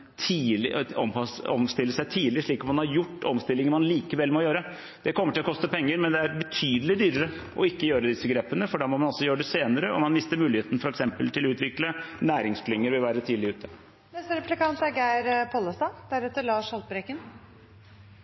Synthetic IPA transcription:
t̪ʰiːlɪɔmɔ̰mst̪ɪlːəsæɪt̪ʰiːlɪʂɭiːkɔmːɑnɑɾjʊʈːɔmst̪ɪlːɪŋənmɑnliːkəʋɛlːmɔjøːɾə | d̪̥ɛkʰɔmːəʈʰɪlɔkɔst̪əpʰɛŋːəɾmɛnd̪ɛæɾbət̪ʰyːd̪əlɪd̪yːɾəɾə | ʔɔɪkːəjøːɾəd̪ɪsːəɡɾeːpənəfɔɖɑːmɔmɑnɔlsɔjøːɾəɖɛseːnəɾəɔ̰mɑnmɪst̪əɾmʉːlɪheːt̪ən̩fɔɾɛksɛmpəlt̪ʰɪlɔʉːt̪ʋɪklənæːɾɪŋskʰlʏŋːəɾʋɪlʋæːɾət̪ʰiːlɪʉːt̪ʰə | nɛst̪əɾɛplɪkɑnt̪æɾɡæɪɾpʰɔləst̪ɑd̪̥æɾɛt̪ːəɭɑːʂhɑlt̪̚bɾɛkən

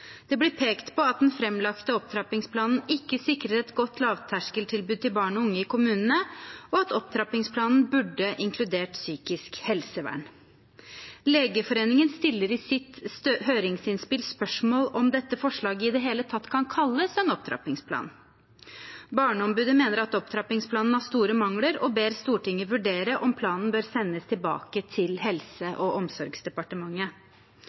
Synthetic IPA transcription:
d̪̥ɛblɪɾpʰeːkt̪pʰɔɑt̪̚d̪ɛnfɾɛmlɑkt̪əɔp̚t̪ʰɾɑpɪŋspʰlɑːnən̩ɪkːəsɪkɾət̪ɛt̪ɡɔt̪ʰːlɑːʋt̪ʰæʂkəlʈ̪ʰɪlbʉːd̪̚t̪ɪlbɑːɳɔʊŋːəɪkʰʊmʉːnənəɔɑt̪ɔp̚t̪ʰɾɑpɪŋspʰlɑːnn̩bʉɖːəʔɪŋkʰlʉd̪eːʈsyːkɪskhɛlsəʋæ̰ːɳ | leːɡəfɔɾeːnɪŋənst̪ɪlːəɾɪsɪt̪høːɾɪŋsɪnspɪlspœʂmoːlɔmd̪ɛt̪ːəfɔʂɭɑːɡəɪd̪ɛːɦeːlət̪ʰɑt̪ːkʰɑnkʰɑlːəsɛnɔp̚t̪ʰɾɑ̰pɪŋspʰlɑ̰ːn | bɑːɳəɔmbʉːd̪əmeːnəɾɑt̪ɔpt̪ʰɾɑpɪŋspʰlɑːnn̩hɑːʂt̪uːɾəmɑŋləɾɔbeːɾst̪uːʈɪŋːəʋʉɖeːɾəʔɔmpʰlɑːnn̩bøːɾsɛnːəst̪ʰɪlbɑ̰ːkət̪ʰɪlɦɛlsəʔɔʔɔmsɔɾɡsd̪ɛpɑʈəmɑŋːə

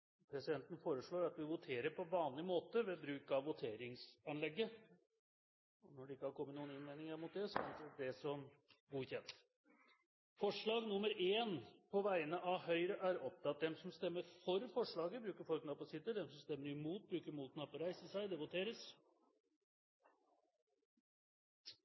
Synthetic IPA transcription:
pʰɾɛsɪd̪ɛnt̪n̩foːɾəʂɭoːɾɑt̪ʋɪʋʊt̪ʰeːɾəɾpʰɔʋɑːnlɪmoːt̪əʋɛbɾʉːkɑʋʋʊt̪ʰeːɾɪŋsɑnlɛɡːə | ɔnɔɖɛɪkːəhɑɾkʰɔmːət̪nuːənɪnʋɛnɪŋəɾmʊt̪̚d̪ɛsɔsɑnsæd̪ɛsɔmɡuːçɛnt̪ | fɔʂɭɑːɡnʊmːəɾʔeːnpʰɔʋæɪənəʔɑʋhœʏɾəʔæɾɔp̚t̪ʰɑt̪̚d̪ɛmsɔmst̪ɛmːəɾfɔɾfɔʂɭɑːɡəbɾʉːkəɾfɔlknɑpɑsɪt̪ːəd̪ɛmsɔmst̪ɛmːəɾɪmuːt̪̚bɾʉːkəɾmuːt̪knɑpəɾæɪsəsæɪd̪ɛʋʊt̪ʰeːɾəs

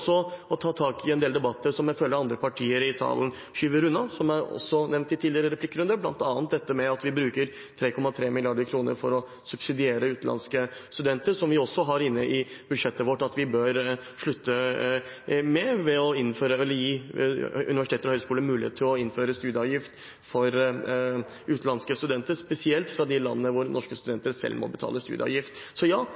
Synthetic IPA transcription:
sɔɔt̪ʰɑːt̪ʰɑːkɪɛnd̪eːld̪ɛbɑt̪ʰːəsɔmjæɪføːlːəɾɑnd̪ɾəpʰɑʈʰiːəɾɪsɑ̰ːln | ɕʉːʋəɾʉnːɑsɔmæɾɔ̰sːɔnɛʋnt̪ːɪt̪ʰiːlɪəɾəɾɛpʰlɪkːɾʉnd̪əɾblɑ̰nt̪ɑːnt̪̚d̪ɛt̪ːəmɛɑt̪ʋɪbɾʉːkəɾ | t̪ʰɾeːkʰɔmːɑt̪ʰɾeːmɪlɪɑɖəɾkʰɾuːnə̰ɾfɔɾɔ | sʉb̥sɪd̪ɪeːɾəʉːt̪nlʔɑ̰nskəst̪ʉd̪ɛnt̪əɾʂɔmʋɪɔsːɔɦɑɾɪnːəʔɪb̥ʉd̪ʂɛt̪ːəʋɔʈːɑt̪ʋɪbøːɾ | ʂɭʉt̪ʰːə | mɛʋɛɔɪnføːɾəɛlːəjiː | ʉ̰nɪʋæʂɪt̪eːt̪əɾɔhœʏskuːlənmʉːlɪhḛːt̪t̪ʰːɪlɔɪnføːɾəst̪ʉːd̪əɑʋjɪft̪ | fɔɾ | ʔʉːt̪lɑnskəst̪ʉd̪ɛnt̪əɾspɛsɪɛlt̪fɾɑd̪ɪlɑ̰nːnəʋʊɾnʔɔʂkəst̪ʉd̪ɛnt̪əɾsɛ̰lmɔ̰bət̪ʰɑ̰ːləst̪ʉ̰ːd̪əɑ̰ʋjɪft̪sɔjɑː

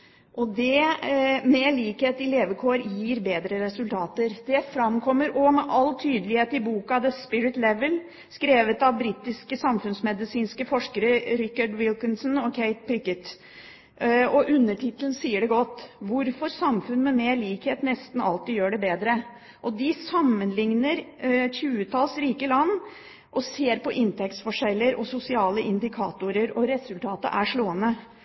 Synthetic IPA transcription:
ʔɔd̪ɛ | meːɭiːkheːt̪ɪleːʋəkʰoːɾjiːɾbeːd̪ɾəɾɛsʉlt̪ʰɑːt̪əɾd̪̥ɛfɾɑmkʰɔmːəɾɔmɛʔɑlt̪ʰyːd̪əlɪheːt̪əɪbuːkɑd̪ɛspɪɾɪt̪lɛʋəl | skɾeːʋət̪ɑʋbɾiːt̪ɪskəsɑmfʉnsmɛd̪ɪsiːnskəfɔʂkəɾəɾɪkːɑɖwɪlkənsnɔkʰæɪt̪̚pʰɾɪkət̪ | ɔʔʉnːəʈʰɪt̪ːln̩siːəɖɛɡɔt̪ːʋʊɾfɔɾsɑmfʉnmɛmeːɾliːkheːt̪nɛst̪n̩ɑlt̪ɪjøːɖɛbeːd̪ɾə | ʔɔd̪ɪsɑmːənlɪŋnəɾçʉːət̪ʰɑlsɾiːkəlɑnː | ʔɔseːɾpɔʔɪnt̪ʰɛk̚t̪sfɔʂɛlːəɾɔsʊsɪɑːləʔɪnd̪ɪkʰɑːt̪ʊɾəɾɔɾɛsʉlt̪ʰɑːt̪ə̰ʔæʂɭoːənə

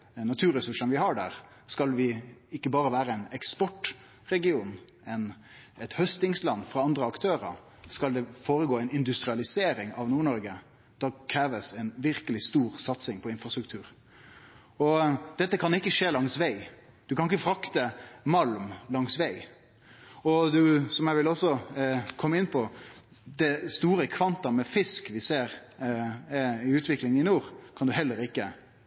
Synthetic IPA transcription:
nːɑt̪ʰʉːɾəsʉʂənʋɪhɑɖæ̰ːɾ | skɑlʋɪɪkːəbɑːɾəʋæːɾəɛɪnɛkspɔʈ | ɾɛɡɪuːn | ɛn | ɛt̪hœst̪ɪŋslɑnːfɾɑɑnd̪ɾəɑkt̪ʰøːɾə̰ɾ | skɑld̪ɛfoːɾəɡoːɛɪnɪnd̪ʉst̪ɾɪɑlɪseːɾɪŋɑʋnuːɳɔɾɡə | d̪̥ɑkʰɾeːʋəsɛɪnʋɪɾkəlɪst̪uːɾsɑt̪sɪŋpʰɔɪnfɾʁɑst̪ɾʉkt̪ʰʉːɾ | ɔd̪̥ɛt̪ːəkʰɑnɪkːəʂeːlɑŋsʋæɪ | d̪̥ʉkʰɑnɪkːəfɾɑkt̪əmɑlmlɑŋsʋæɪ | ɔd̪ʉsɔmjæɪʋɪlɔsɔkʰɔmːəɪnːpʰɔ | d̪̥ɛst̪uːɾəkʰʋɑnt̪ɑmɛfɪskʋɪseːɾ | ɪʉːt̪ʋɪklɪŋənɪnuːʁkʰɑnd̪ʉhɛlːəɾɪkːə

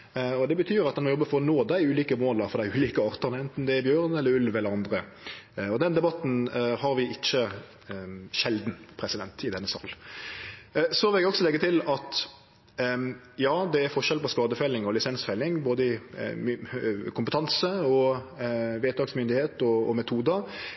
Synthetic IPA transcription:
ɔd̪ɛbət̪ʰyːɾɑt̪d̪ɛnmɔjɔbːəfɔɾnoːd̪æɪʉːliːkəmoːld̪ɑfɔɾd̪æɪʉːliːkəɑʁt̪əʁnəɛnt̪n̩d̪ɛːbjøːɾnɛlːəɾʉlʋɛlːəɾɑnd̪ɾə | ɔd̪ɛnd̪ɛbɑt̪n̩hɑɾʋɪʔɪt͡ʃːə | ʃɛld̪n̩pʰɾɛsɪd̪ɛnt̪ɪd̪ɛnːəsɑ̰ːl | sɔʋɪlɛɡɔksɔlɛɡːət̪ʰɪlɑt̪ | jɑːd̪ɛæɾfɔʃɛlpɔskɑːd̪əfɛlːɪŋɔlɪsɛnsfɛlːɪŋboːd̪əɪ | kʰʊmpət̪ʰɑnsəɔ | ʋeːt̪ɑɡsmʏnd̪ɪheːt̪ɔːmɛt̪ʰuːd̪ə

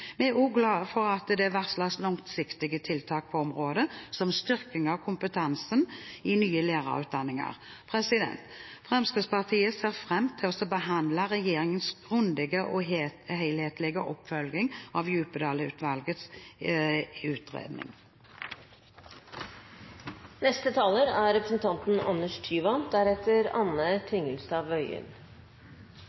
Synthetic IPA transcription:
mɛæuːɡlɑːfɔʁɑt̪d̪ɛʋæʁslɑslɔŋt̪sɪkt̪ɪɡət̪ʰɪlt̪ʰɑːk̚pʰɔɔmʁoːd̪əsɔmst̪ʏʁkɪŋɑʋkʰʊmpət̪ʰɑnsənɪnyːəleːʁɑ̰ʁʉ̰ːt̪̚d̪ɑnːɪŋɑ̰ʁ | pʰʁɛsɪd̪ɛ̰nt̪ | fʁɛmskəspɑʁt̪ʰiːəseːʁfʁɛmːt̪ʰɪɔsɔbəɦɑnd̪lɑʁɛjeːʁɪŋənsɡ̥ʁʉnd̪ɪɡəʔɔhɛɪlheːt̪lɪɡəʔɔpːfœlɡ̪ɪŋɑʋjʉːpəd̪ɑːləʉ̰ːt̪ʋɑlɡət̪s | ʉːt̪ʁḛːd̪nɪ̰ŋ | nɛst̪ət̪ʰɑːləɾæɾɾɛpɾəsn̩t̪ʰɑnt̪n̩ɑ̰nəʂt̪ʰyːʋɑnd̪̥æɾɛt̪ːəɾɑnət̪ʰʋɪŋəlsɑːʋœʏə̰n

